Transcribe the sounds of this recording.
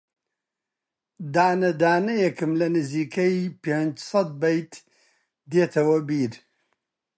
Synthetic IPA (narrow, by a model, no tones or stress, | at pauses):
d̪aːnɐd̪aːnɐjɐkɨmlɐnɨziːkɐjpeːnd͡ʒsˤɐd̪̚bɐjt̪ | d̪eːt̪ʰɐwɐbiːɾ